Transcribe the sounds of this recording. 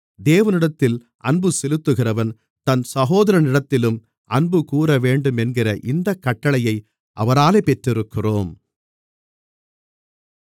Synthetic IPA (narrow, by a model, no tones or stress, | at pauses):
d̪eːʋɐnɪɽɐt̪ːɪl | ʔɐɳbɯsɛlɯt̪ːɯɣɪrɐʋɐn | t̪ɐnsɐɣoːðɐɾɐnɪɽɐt̪ːɪlɯm | ʔɐɳbɯkuːɾɐʋeːɳɖɯmɛnɡɪrɐʔɪnd̪ɐkːɐʈːɐɭɐjɐɪ | ʔɐ̰ʋɐɾaːleːpɛʈrɪɾɯkːɪroːm